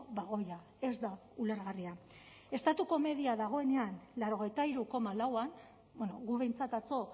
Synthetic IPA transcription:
βaɣo̞ja | e̞zd̪a | uleɾɣaria | e̞st̪at̪uko̞me̞ðiaðaɣ̞o̞e̞ne̞anlaɾo̞ɣ̞e̞jt̪aiɾuko̞malawan | benoɣuβe̞jnt͡sat̪at͡so̞

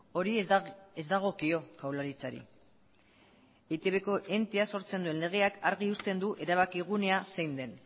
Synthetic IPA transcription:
o̞ɾiezd̪aɣ̞o̞kio̞kawlaɾit͡saɾḭ | et̪eβe̞ko̞ʔe̞nt̪easo̞ɾt͡send̪ue̞nle̞ɣ̞e̞akaɾɣ̞iust̪e̞nd̪uʔe̞ɾaβ̞akiɣ̞une̞asejnd̪e̞n

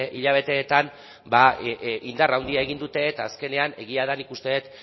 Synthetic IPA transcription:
ʔiʎaβ̞e̞t̪e̞ːt̪an | baind̪arawnd̪iae̞ɣind̪ut̪e̞ːt̪aːske̞ne̞ane̞ɣiaðanikust̪e̞et̪

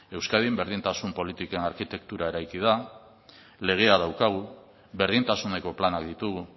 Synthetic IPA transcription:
e̞wskaðimbe̞ɾð̞int̪asumpo̞lit̪ike̞naɾkit̪e̞k̚t̪uɾae̞ɾajkið̞a | le̞ɣ̞e̞að̞awkaɣ̞u | βe̞ɾðint̪asune̞ko̞planakd̪it̪uɣu

